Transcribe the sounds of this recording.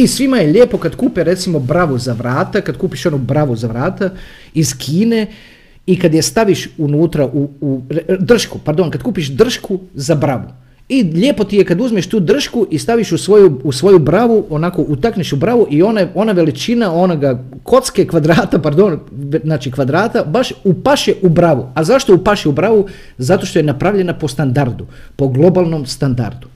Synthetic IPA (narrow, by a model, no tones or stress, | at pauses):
isʋimajeʎeːpo̞kad̪kuːpeɾe̞t̪simo̞bɾaʋuzaʋɾaːt̪akad̪kuːpiʃonubɾaʋuzaʋɾaːt̪a | izkʰiːne̞ | ikad̪jest̪aʋiʃunuːt̪ɾaʔuud̪r̩ʃkupaɾd̪o̞nkad̪kuːpiʃd̪r̩ʃkuzabɾaʋu | iʎeːpo̞t̪ijekad̪uzmeʃt̪uːd̪r̩ʃkuʔist̪aʋiʃusʋo̞juusʋo̞jubɾaʋuonako̞ʔut̪akneʃubɾaʋuʔio̞neo̞naʋe̞lit͡ʃinao̞noɡa | kʰo̞t̪skekʋad̪ɾaːt̪apaɾd̪o̞nznaːt͡ʃikʋad̪ɾaːt̪abaʃupaʃeʔubɾaʋuazaʃt̪o̞upaʃeubɾaʋu | zat̪o̞ʃt̪o̞jenapɾaʋʎe̞napo̞st̪and̪aɾd̪u | po̞ɡlˠo̞balˠnomst̪and̪a̰ɾd̪u